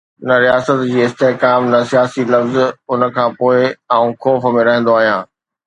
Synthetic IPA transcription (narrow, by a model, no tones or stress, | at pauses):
nɐɾijaːsət̪d͡ʑiːɪst̪eːkaːmnɐsijaːsilɐfzʊnə̆kʰãːpoːɪãũxoːfmẽɾɐɦɪ̃n̆d̪oaːɦijãː